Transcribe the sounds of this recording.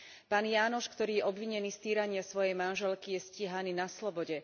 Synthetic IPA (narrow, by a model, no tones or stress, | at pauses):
paːnjaːnɔʃkt̪ɔɾiːjɛʔɔbʋiɲɛniːst̪iːɾaɲɪasʋɔjɛjmanʒɛlkijɛsciɦaniːnaslɔbɔɟɛ